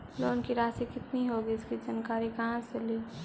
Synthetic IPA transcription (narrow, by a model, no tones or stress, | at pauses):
loːnkiɾaːsikɪt̪niɦoːɡiɪskid͡ʒɐnkaːɾikɐɦãt͡ʃɐli